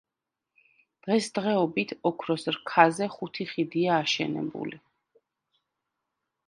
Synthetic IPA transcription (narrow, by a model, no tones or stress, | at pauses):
d̪̥ʁɛsd̪ʁɛɔbit̪ʰɔkʰɾɔsɾkʰazɛχut̪ʰiχid̪iaːʃɛ̰nɛ̰bṵli